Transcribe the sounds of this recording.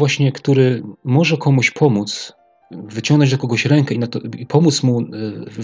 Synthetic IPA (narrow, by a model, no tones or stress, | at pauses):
waɕɲɛkt̪uɾɘmɔʐɛkʰɔmuɕpʰɔmut̪s | vɘt͡ɕɔŋɡnɔd͡ʑd̪ɔkɔɡɔɕɾɛŋkɛinat̪ɔipʰɔmut̪smu